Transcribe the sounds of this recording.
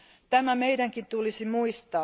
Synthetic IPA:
t̪æmæmeidæŋkint̪ulisimuist̪ɑː

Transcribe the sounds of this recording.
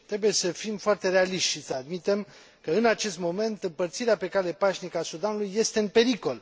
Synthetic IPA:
t̪ɾe̞buje̞səfimfoart̪e̞ɾealiʃt̪ʲʃisəad̪mit̪em | kəɨnat͡ʃe̞st̪mo̞me̞nt̪ɨmpərt̪siɾeape̞kale̞paʒnikasud̪anulujːe̞st̪e̞ɨnpe̞ɾiko̞l

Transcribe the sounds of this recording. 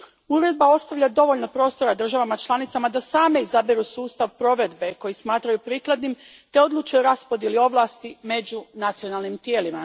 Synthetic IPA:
uɾe̞d̪̚bao̞st̪aʋʎad̪o̞ʋo̞ʎno̞pɾo̞ːst̪o̞ɾad̪r̩ʒaʋamat͡ʃlˠanit̪samad̪asaːme̞izabiɾusuːst̪aʋpɾo̞ʋe̞d̪be̞ko̞jismaːt̪ɾajupɾiːklˠad̪nimt̪e̞o̞d̪luːt͡ʃeɾaspo̞d̪jelio̞ʋlˠaːst̪ime̞d͡ʑunat̪sio̞nalˠnimt̪jeːlima

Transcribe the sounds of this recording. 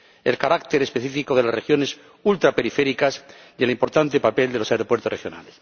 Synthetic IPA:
elkaɾakt̪eɾespeθifikoðelasrexjo̞nes | ult̪ɾape̞ɾifeɾikas | jelimpo̞ɾt̪ant̪epapelelo̞saeɾopweɾt̪orexjo̞na̰les

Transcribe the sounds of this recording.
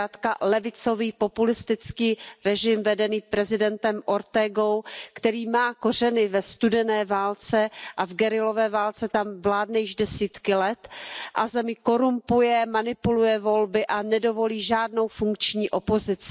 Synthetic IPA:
aːt̪kalɛvɪt͡so̞viːpo̞pulɪst̪ɪt͡skiːɾɛʒɪmvɛdɛniːpɾɛzɪdɛnt̪ɛmʔoɾt̪ɛːɡo̞wkt̪ɛɾiːmaːko̞rɛnɪvɛst̪udɛnɛːvaːlt͡sɛʔavɡɛɾɪlo̞vɛːvaːlt͡sɛt̪amvlaːdnɛjɪʒdɛsiːt̪kɪlɛt̪ʔazɛmɪko̞ɾumpujɛmanɪpulujɛvo̞lbɪʔanɛdo̞vo̞liːʒaːdno̞wfuŋk̚t͡ʃɲiːʔo̞pozɪt͡sɪ

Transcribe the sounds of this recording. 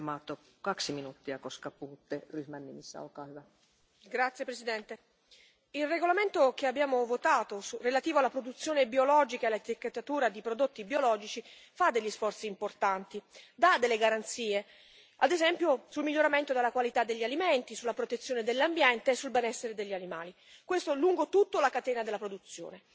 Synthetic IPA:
mɑːt̪ːokɑksiminuːt̪ːiɑkoskɑpuhut̪ːeryhmænːimisːæ̰o̰lkɑːhyʋæ | ɡɾat̪sjepɾesid̪ɛnt̪e | ilreɡolament̪ok̟eabjaːmovot̪aːt̪osurelat̪iːvoalːapɾod̪ut̪sːjoːnebiolɔːd͡ʒikaelːat̪ikːat̪ːat̪uːɾad̪ipɾod̪ot̪ːibiolɔːd͡ʒit͡ʃifad̪eʎːisfɔrt̪siːmport̪ant̪id̪ad̪ːelːeɡaɾant̪siːe | ad̪ezɛmpjosulmiʎːoɾament̪od̪elːakwalit̪ad̪ːeʎːialiment̪isulːapɾot̪et̪sːjoːned̪elːambjɛnt̪eːsːulbɛnɛsːeɾed̪eʎːianimaːli | kwest̪oluŋɡot̪ut̪ːolakat̪ɛːnad̪elapɾod̪ut̪sːjo̰ːne

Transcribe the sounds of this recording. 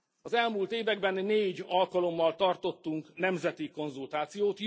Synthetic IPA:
ɒzɛlmuːlt̪eːvɛɡ̚bɛnːeːɟɒlkɒlo̞mːɒlt̪ɒrt̪o̞t̪ːuŋknɛmzɛt̪iko̞nzult̪aːt̪sijoːt̪

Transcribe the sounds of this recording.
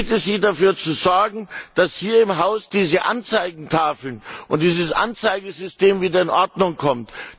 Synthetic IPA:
tɛsz̥iːdafyːɐt͡suzɔɐɡŋ̩d̥ashiːɐɪmɦaʊsd̥iːzəʔa̰nt͡saɪɡŋ̩tʰaːfl̩nʔʊnt̚d̥iːzəsʔa̰nt͡saɪɡəzʏsteːmviːdɐɪnʔɔɐdnʊŋkʰɔmt

